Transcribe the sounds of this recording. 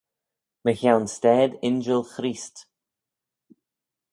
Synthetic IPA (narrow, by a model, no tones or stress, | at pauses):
məçawnstɛːd̪ɪnd͡ʒəlˠxɾiːst